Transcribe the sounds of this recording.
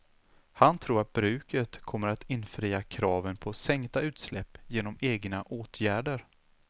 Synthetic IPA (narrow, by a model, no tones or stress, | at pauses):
hant̪ʰɾuːɾat̪̚bɾʉ̟ːkət̪kʰɔmːəɾat̪ʰɪnfɾiːakʰɾɑːvənpʰɔsɛŋkt̪aʉ̟ːt̪slɛpːjeːnɔmeːɡnaʔoːt̪ʰjæːɖəɾ